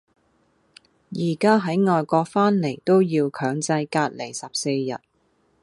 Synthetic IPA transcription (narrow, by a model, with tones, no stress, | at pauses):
jiː˨˩kaː˥ɦɐ˨˥jŋɔː˨jkɔː˧k̚faː˥nle˨˩jt̪o˥wjiː˧wkʰœː˨˥ŋt͡sɐ˧jkaː˧t̚le˨˩jsɐ˨p̚se˧jːɐ̰˨˩t̚